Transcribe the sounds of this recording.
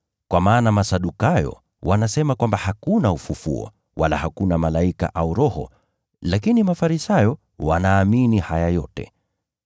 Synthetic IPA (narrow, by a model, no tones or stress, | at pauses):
kwamaːnamasaɗukajɔ̰ | wanasɛmakwambahakunaufufṵɔ̰ | walahakunamalaika̰ʔauɾɔhɔ̰ | lakinimafaɾisajɔ | wanaːminihajajɔtɛ̰